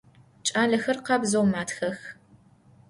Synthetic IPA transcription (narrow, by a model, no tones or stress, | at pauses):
t͡ʃʼaːɮɐxɐrqɑbzɐwmaːtxɐx